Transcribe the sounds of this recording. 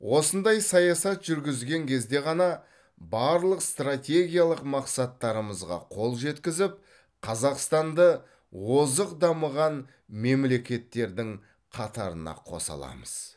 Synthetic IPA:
wʔo̞sənd̪ɑjsɑjɑsɑt̪ʒʏɾɡʲɪzɡʲe̞ŋkʲʰe̞zd̪e̞ʁɑnɑ | bɑɾlˠəqst̪rat̪ʲe̞ɡʲijalˠəqmɑqsɑt̪ːɑɾəməzʁɑ̰qʰo̞lˠʒe̞t̪kʲɪzɪp̚ | qʰɑzɑqst̪ɑnd̪ə | wo̞zəqd̪ɑməʁɑn | me̞mle̞kʲe̞t̪ːe̞ɾd̪ɪŋ | qʰɑt̪ɑɾə̰nɑ̰qʰo̞̰sɑ̰lˠɑ̰məz̥

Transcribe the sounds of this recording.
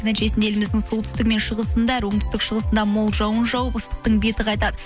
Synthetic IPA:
nænʃe̞sɪnd̪e̞lɪmɪzd̪ɪŋso̞lˠt̪ʰʏ̥st̪ɪk̚me̞nʃəʁəsənd̪ɑæɾwo̞ɴt̪ʰʏ̥st̪ɪkʃəʁəsənd̪ɑmolˠʒɑwənʒɑwəpəst̪ə̥q̚t̪əɴbe̞t̪ɪqɑjt̪ɑd̪ə

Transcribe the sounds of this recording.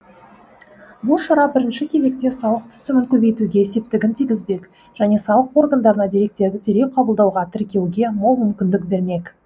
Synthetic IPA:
bʊlˠʃɑɾɑbɪɾɪnʃɪkʲʰe̞ze̞kt̪e̞sɑwˠəqt̪ʰʏ̥sɪmɪŋkʲʰɵbe̞jt̪uɡʲe̞ːse̞p̚t̪ɪɡʲɪnt̪ʰiɡʲɪzbe̞k | ʒ̥æne̞sɑwəqo̞rɡand̪ɑɾənɑd̪e̞ɾe̞kt̪e̞ɾd̪ɪt̪ʰeɾe̞jqʰɑbəlˠd̪ɑwʁɑt̪ʰɪɾkʲe̞wɡʲe̞molˠmʏmkʲɪnd̪ɪk̚be̞ɾme̞k

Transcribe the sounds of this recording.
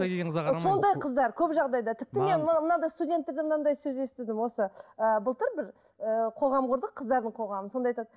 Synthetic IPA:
so̞nd̪ɑjqʰəzd̪ɑɾkʲʰɵpʒɑʁd̪ɑjd̪ɑt̪ʰɪp̚t̪ɪme̞nmənɑd̪ɑjst̪udʲe̞nt̪ːed̪emənɑnd̪ɑjsɵze̞st̪ɪd̪ɪmwo̞səəbəlˠt̪əɾbɪɾ | əqʰo̞ʁɑmqʰʊɾd̪əqʰːəzd̪ɑɾd̪əɴqʰo̞ʁɑmənso̞nd̪ɑjt̪ɑd̪ə

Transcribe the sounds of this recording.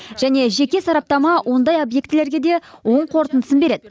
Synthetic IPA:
ʒ̥æne̞ʒe̞kʲe̞sɑɾɑp̚t̪ɑmɑwʔo̞nd̪ɑjobje̞kt̪ɪleɾɡʲe̞d̪e̞wo̞ɴqʰo̞ɾt̪ənd̪əsəmbe̞ɾe̞d̪ɪ

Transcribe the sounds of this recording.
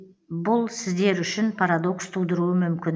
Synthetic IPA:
bʊlˠsɪzd̪e̞ɾʏʃɪnpʰaɾad̪o̞kst̪ʰuwd̪əɾuəmʏmkʲɪn

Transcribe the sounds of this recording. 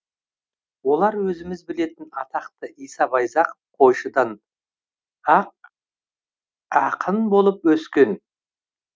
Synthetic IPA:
wo̞lˠɑɾwɵzɪmɪzbɪle̞t̪ɪnɑt̪ɑqt̪əʔijsɑbɑjzɑq | qʰo̞jʃəd̪ɑn | ɑq̚ | ɑqʰənbo̞lˠəpwɵskʲe̞n

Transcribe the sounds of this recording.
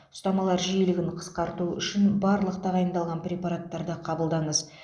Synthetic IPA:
ʊ̥st̪ɑmɑlˠɑɾʒijlɪɡʲɪnqʰə̥sqɑɾt̪uʏ̰ʃɪnbɑɾlˠəqt̪ʰɑʁɑjənd̪ɑlˠʁɑnpɾʲe̞paɾat̪ːɑɾd̪əqʰɑbəlˠd̪ɑɴəz

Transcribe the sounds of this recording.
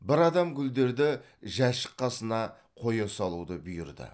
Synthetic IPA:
bɪɾɑd̪ɑmɡʲʰʏld̪e̞ɾd̪ɪ | ʒæʃə̥qːɑsənɑ | qʰo̞jɑsɑlˠud̪əbʊjɪɾd̪ə̰

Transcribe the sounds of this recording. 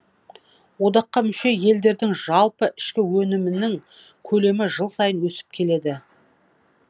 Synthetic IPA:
wo̞d̪ɑqːɑmʏʃe̞je̞ld̪e̞ɾd̪ɪŋʒɑlˠpəʔɪʃkʲɪwɵnɪmɪnɪŋkʲʰɵle̞mɪʒəlˠsɑjənwɵsɪ̥p̚kʲʰe̞le̞d̪ɪ

